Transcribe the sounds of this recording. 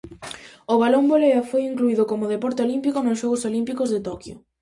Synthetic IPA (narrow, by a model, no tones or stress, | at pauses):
ʊβalomboleɐfojiŋkluiðʊkomʊðepɔɾt̪eolimpikonʊs̬ʃɔɣʊsolimpikʊzðet̪okjʊ̰